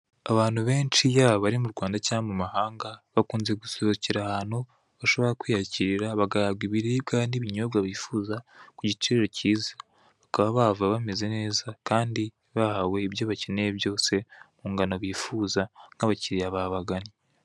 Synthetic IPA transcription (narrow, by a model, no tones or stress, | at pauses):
aβaːn̥huβe̞ːnt͡ʃijaβaβaɾimuɾɡwaːndacaːamumahaːŋɡaβakuːnzeɡusoβociɾahano | βaʃo̞βo̞ɾakwiːhaciɾiɾaβaɡaɾaβɡiβiɾiβɡaniβiɲo̞βɡaβifuːzakuɟit͡ʃiɾeɾociːzḁ | βakaβaβavaβame̞ze̞ne̞ːzakaːndi | βahawe̞iβjoβaceneβjo̞ːse̞muːŋɡanoβiːfuzanaβaciɾijaβaβaɡani